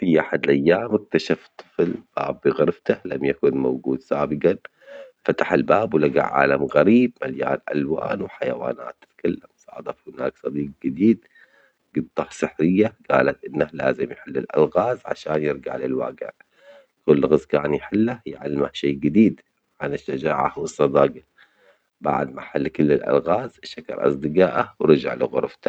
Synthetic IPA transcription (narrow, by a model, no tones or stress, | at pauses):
fiʔaħad̪lʔajːaːmɪk̚t̪aʃaft̪ˤːɨ̥fɪlb̥a̰ːbːiɣaɾɪft̪ahlamjakʊnmawɡuːd̪saːbɪqɑn | fat̪ḁħalbaːbwlaɡa̰ʕʕːa̰ːlamɣaɾiːbmalja̰ːɾˤʔa̰lwa̰ːnwħajawa̰ːna̰ːt̪ːɪ̥t̪kalːamsˤɑ̰ːʕd̪ˤɑfhɪna̰ːksˤɑd̪iːq̚ɡɪd̪iːd̪ | ɡ̥ʊd̪t̪ɑhsˤɨħɾɪjːaɡ̥aːlat̪ʔɪnːala̰ːzɪmjħɪlːɪlʔa̰lɣaːzʕa̰ʃaːnjɪɾɡa̰ʕlɪlwa̰ːɡɪ̰ʕ | kʊlːɣɪzkaːnjħɪlːajʕalːɪmahʃeːɡɪd̪iːd̪ | ʕanɪʃːad͡ʒaːʕawɨsˤːɑd̪ɑːɡɪ | ba̰ʕd̪maħalːkʊlːɪlʔa̰lɣaːzʃakɑ̰ɾˤʔɑ̰sˤd̪ɪɡaːʔawɾɑd͡ʒa̰ʕlɪɣʊ̰ɾˤft̪ḁ